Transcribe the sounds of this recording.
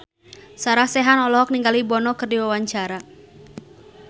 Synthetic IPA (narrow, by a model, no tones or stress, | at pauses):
saɾahsɛɦanɔlɔɦɔk̚niŋɡalibɔnɔkɨrdiwawaɲt͡ʃaɾa